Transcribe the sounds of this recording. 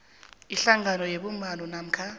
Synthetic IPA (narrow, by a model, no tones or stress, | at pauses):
iɬaŋanɔjeɓumbanɔnam̩kʰa